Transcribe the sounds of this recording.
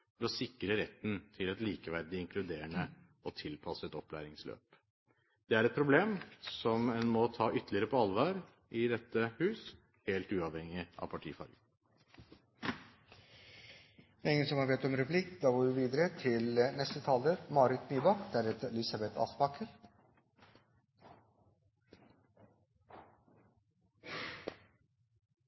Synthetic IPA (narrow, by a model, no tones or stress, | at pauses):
fɔɾɔsɪkɾəɾɛt̪ːənt̪ʰɪlɛt̪liːkəʋæɾd̪ɪɪŋkʰlʉd̪eːəɳə | ɔt̪ʰɪlpʰɑsəɛt̪ɔplæ̰ːɾɪŋslø̰ːp | d̪̥ɛæɾɛt̪̚pʰɾʊbleːmsɔmɛnmɔt̪ʰɑːʔʏt̪ːəlɪəɾəpʰɔɑlʋɑːɾ | ʔɪd̪ɛt̪ːəhʉːs | heːlt̪ʉːɑʋhɛŋɪʔɑ̰pʰɑʈʰḭːfɑ̰ɾɡə | ɪŋːənsɔmhɑɾbɛt̪ɔmɾɛpʰlɪkːd̪ɑːɡoːjʊʋiːd̪əɾət̪ʰɪlnɛst̪ət̪ʰɑːləmɑːɾɪt̪nyːbɑkd̪æːɾɛt̪ɛlɪsɑbɛt̪ʰɑ̰sbɑkəɾ